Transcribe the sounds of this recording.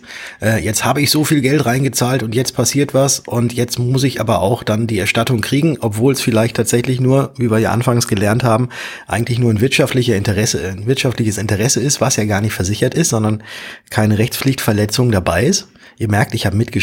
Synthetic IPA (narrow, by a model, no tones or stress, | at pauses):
ʔɛːjɛt͡sthaːbəɪçz̥oːfiːlɡɛltʁaɪnɡət͡saːltʊntjɛt͡stpʰasiːɐtv̥asʔʊntʰjɛt͡stmʊsɪçʔa̰ːbɐʔa̰ʊxd̥andiːɛɐʃtatʊŋkʁ̥iːɡŋ̩ʔɔpv̥oːlɛsfɪlaɪçtʰaːtz̥ɛçlɪçnuːɐviːviːɐjaɐʔa̰nfaŋsɡ̥əlɛɐnthaːbm̩ʔaɪɡŋ̩tlɪçnuːɐnvɪɐtʃaftlɪçəɪntəʁɛsənvɪɐtʃaftlɪçəsɪntəʁɛsəɪstv̥asjaːɡaːɐnɪçtfɛɐzɪçɐtɪstz̥ɔndɐnkʰaɪnəʁɛçt͡spflɪçtfɛɐlɛt͡sʊŋdabaɪɪst | ʔiːɐmɛɐk̚tɪçhaːbəmɪtɡ̥ə